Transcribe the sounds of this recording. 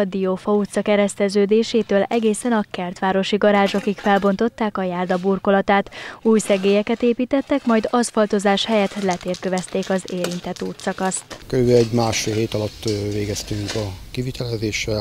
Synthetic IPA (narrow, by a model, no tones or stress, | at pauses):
d̪iofɒuːt̪sɒkɛɾɛst̪ɛzøːd̪eːʃeːt̪øːlɛɡeːsɛnɒkɛrt̪ʋaːɾo̞ʃiɡɒɾaːʒokikfɛlbo̞nt̪o̞t̪ːaːkɒjaːrd̪ɒburko̞lɒt̪aːt̪uːjsɛɡeːjɛkɛt̪eːpiːt̪ɛt̪ːɛkmɒjd̪ɒsfɒlt̪o̞zaːʃhɛjɛt̪lɛt̪eːrkøvɛst̪eːkɒzeːɾint̪ɛt̪uːt̪sɒkɒst̪køɾybeɛɟmaːʃfeːlɦeːt̪ɒlɒt̪ːveːɡɛst̪yŋkɒkivit̪ɛlɛzeːʃɛ